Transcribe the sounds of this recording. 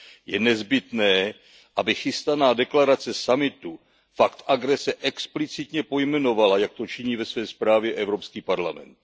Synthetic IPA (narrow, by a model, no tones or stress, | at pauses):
jɛnɛzbɪt̪nɛː | ʔabɪxɪst̪anaːdɛklaɾat͡sɛsamɪt̪u | fakt̪ʔaɡɾɛsɛʔɛksplɪt͡sɪt̪ɲɛpo̞jmɛno̞valajak̚t̪o̞t͡ʃɪɲiːvɛsvɛːspɾaːvjɛʔɛvɾo̞pskiːpaɾlamɛ̰nt̪